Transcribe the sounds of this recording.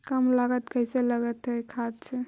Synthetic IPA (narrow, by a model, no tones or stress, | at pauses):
kəmlaɡət̪kəɪseləɡət̪ɦekʰad̪t͡ʃʰe